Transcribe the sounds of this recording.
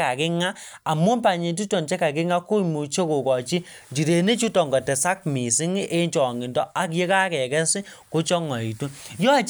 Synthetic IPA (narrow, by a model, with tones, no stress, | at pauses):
ka˨kɪ˦ŋa˦a˨mu˦npa˨ɲe˨t̬u˦tɔ˨nt͡ʃɛ˦ka˨kɪ˦ŋa˦ku˦˨mu˨t͡ʃe˦ku˨kɔ˨t͡ʃi˦ | d͡ʒi˨ɾe˨ne˦t͡ʃu˦tɔ˨ŋɡɔ˨tɛ˨sa˦k̚mi˨si˦ŋ˦ʔe˦nt͡ʃɔ˨ŋɡi˨ndɔ˦a˨kje˦ka˦kɛ˨kɛ˦sɪ˦ku˦t͡ʃɔ˦ŋɔ˨i˨tu˦jɔ˦a˨t͡ʃ